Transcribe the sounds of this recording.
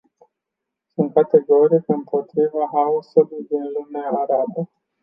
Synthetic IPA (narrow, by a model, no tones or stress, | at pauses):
sunt̪̚kat̪e̞ɡo̞ɾikɨmpo̞t̪ɾivaɦausulujd̪inlumeaːɾabə